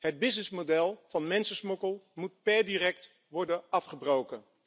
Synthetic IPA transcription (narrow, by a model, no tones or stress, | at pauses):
ɦəd̚bɪsnɪsmodɛlˠv̥ɑnmɛnsəsmɔkəlˠmut̚pɛɹdiːrɛkt | ʋɔɹdənɑfχəbrowkən